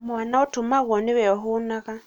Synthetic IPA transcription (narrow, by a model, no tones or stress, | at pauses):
mwanaɔtumaɣɔniwɛɔɦunaɣa